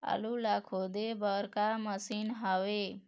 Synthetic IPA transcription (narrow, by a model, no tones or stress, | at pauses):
a̰lulakʰod̪ebəɾkaməsinɦaʋe